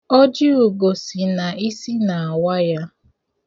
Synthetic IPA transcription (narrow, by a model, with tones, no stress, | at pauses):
ɔ˦d͡ʒɪ˦u˨ɡo˨si˨na˨i˦si˦na˨a˨wa˦ja˦